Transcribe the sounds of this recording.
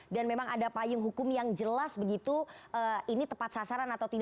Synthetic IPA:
danmemaŋadapajʊŋɦukʊmjaŋd͡ʒəlasbəɡit̪uəːinit̪əpat̪sasaɾanat̪awt̪id

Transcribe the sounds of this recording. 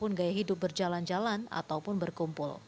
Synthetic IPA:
ʊnɡajaɦidʊp̚bərd͡ʒaland͡ʒalana̰t̪awpʊnbərkumpʊ̰l

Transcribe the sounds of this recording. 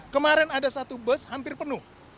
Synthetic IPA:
kəmaɾɛnadasat̪ubəshampɪrpənuh

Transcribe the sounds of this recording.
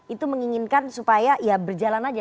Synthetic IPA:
it̪uməŋiŋinkansupajajabərd͡ʒalanad͡ʒa

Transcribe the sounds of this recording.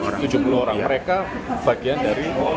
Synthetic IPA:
t̪ud͡ʒṳpuluoɾaŋməɾekab̥a̤ɡ̥iandaɾi

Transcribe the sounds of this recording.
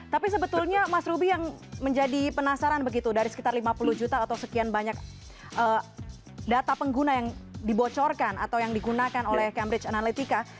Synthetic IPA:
t̪apis̬əbət̪ulɲamasɾubijaŋməɲd͡ʒadipənasaɾanbəɡit̪udaɾisə̥kit̪arlimapuluhd͡ʒut̪aat̪awsəkianbaɲak̚ | ʔəː | dat̪apəŋɡunajaŋdibot͡ʃɔrkana̰t̪awjaŋdiɡunakanolɛhkɛmbɾɪt͡ʃanalit̪ika

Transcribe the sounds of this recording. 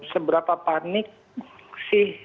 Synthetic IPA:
səbəɾapapanɪk̚sɪh

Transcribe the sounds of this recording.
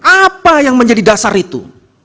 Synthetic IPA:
apajaŋməɲd͡ʒadidasarit̪ṵ

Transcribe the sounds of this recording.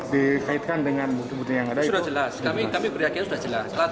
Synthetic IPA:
dikʰajat̪̚kandəŋanbukt̪ubut̪əjaŋadaudad͡ʒəlasamikamikəɾjakiansudad͡ʒəlasla

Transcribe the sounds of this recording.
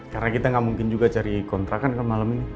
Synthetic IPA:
karnakit̪aŋɡaʔmuŋkɪnd͡ʒuɡat͡ʃaɾikɔnt̪ɾakankanmalamini

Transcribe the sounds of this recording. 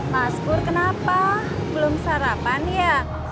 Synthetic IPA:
maskʊrkənapa | b̥əlʊmsaɾapanjaʔ

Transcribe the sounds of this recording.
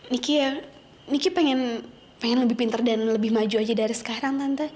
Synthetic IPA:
nikija | nikipeŋɛn | peŋɛnləbɪhpint̪ərdanləbɪhmad͡ʒuad͡ʒadaɾisə̥kaɾaŋt̪ant̪a

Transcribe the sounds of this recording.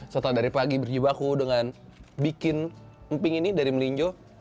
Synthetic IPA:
sət̪adaɾipaɡibərd͡ʒibakudəŋanbikɪn | əmpɪŋinidaɾiməliɲd͡ʒɔ

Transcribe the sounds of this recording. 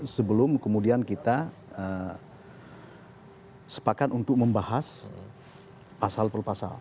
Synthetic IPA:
səbəlʊmkəmudiankit̪a | ə | sə̥pakat̪unt̪ʊk̚məmbahas | pasalpəlpasa̰l

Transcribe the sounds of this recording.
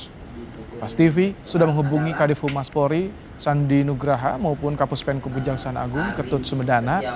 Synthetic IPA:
past̪ifisudahməŋɦubuŋikadifumaspoɾi | sandinuɡɾaɦamaupʊnkapʊspɛnkəbud͡ʒaŋsana̰ɡʊŋkət̪ʊt̪̚səmədana

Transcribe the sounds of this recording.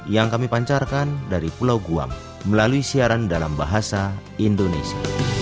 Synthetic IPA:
jaŋkamipaɲt͡ʃarkandaɾipulawɡua̰ŋ | məlaluisiaɾandalambaɦasa | indɔnesia

